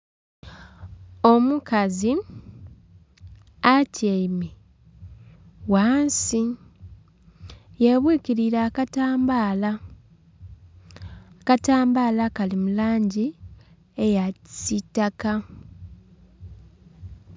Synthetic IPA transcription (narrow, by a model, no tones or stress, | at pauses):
omukazi | aceime | waːnsi | jeβwiːkiɾiɾakataːmbala | kataːmbaːlakalimulaːɲɟi | ejaci̥sitːaka